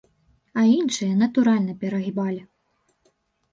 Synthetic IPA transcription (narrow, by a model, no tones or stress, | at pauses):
ɐinʂɨjɐnɐt̪uɾalʲnɐpʲɛɾɐɣʲibalʲi